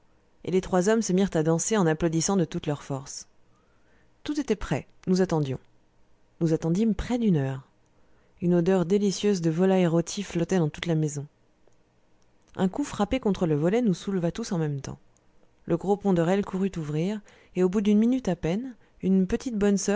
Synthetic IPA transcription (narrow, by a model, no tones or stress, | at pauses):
ḛlet̪χwazɔmsəmiʁt̪ad̪ɑ̃seɑ̃naplod̪isɑ̃d̪ət̪ut̪lœʁfɔʁs | t̪ut̪et̪ɛpχɛ | nuzat̪ɑ̃d̪jɔ̰̃ | nuzat̪ɑ̃d̪impχɛd̪ynœʁ | ynod̪œʁd̪elisjøzd̪əvɔlaeʁot̪ʰiflɔt̪ɛd̪ɑ̃t̪ut̪lamezɔ̃ | ɛ̃kufχapekɔ̃t̪χələvɔlɛnusulvat̪usɑ̃mɛmt̪ɑ̰̃ | lʔəɡʁopɔ̃d̪əʁɛlkʰuʁyt̪uvʁiʁ | eobud̪ynminyt̪apɛn | ynpət̪ʰit̪bɔnsœ